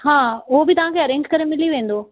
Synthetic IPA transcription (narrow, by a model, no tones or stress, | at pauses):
ɦãːoːbʱit̪ɐʋ̤ãkʰeɐɾẽːɲd͡ʒkɐɾemɪliʋẽːn̆d̪oː